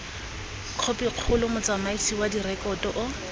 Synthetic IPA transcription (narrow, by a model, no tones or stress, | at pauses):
q͡χʰopiq͡χʰʊlʊmʊt͡samaisʰiwadirɛkɔtɔʔʊ